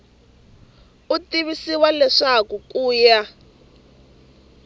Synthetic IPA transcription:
utiβisiwalɛʂakukuːja

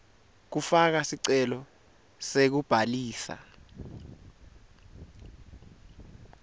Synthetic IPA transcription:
k̬ufak̬asiǀɛlɔ | sek̬ub̥ʱaliːsa̰

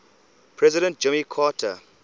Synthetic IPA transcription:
pʰɹɛzɪɾə̃nt̚d͡ʒɪmikʰaːtʰə̰

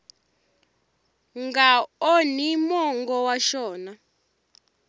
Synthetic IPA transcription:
ŋɡaonimɔŋɡɔwaʃɔːna

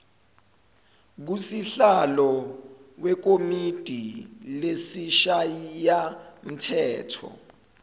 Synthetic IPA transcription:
k̬usiɬalɔwɛk̬omid̥ʱilesiʃajijam̩tʰɛːtʰɔ̰

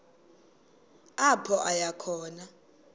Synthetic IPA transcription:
apʰɔʔajakʰɔːna

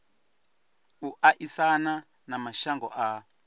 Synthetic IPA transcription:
uʔaʔisana | namaʃaŋɡɔ̰ʔa

